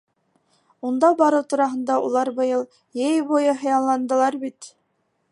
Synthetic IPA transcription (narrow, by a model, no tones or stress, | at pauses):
und̪ɑbɑɾɤwt̪uɾɑɦɤ̆nd̪ɑulˠɑɾbɤ̆jɤlˠ | jejbujɤɦɤ̆jɑllːˠɑnd̪ɤ̆lˠɑɾbit̪